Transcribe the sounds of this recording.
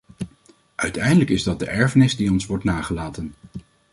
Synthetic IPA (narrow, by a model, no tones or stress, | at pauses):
ʔœɥtɛjndələkɪzdɑt̚dəʔɛɹvənɪzdiɔnsʋɔɹtnaːχəlaːtən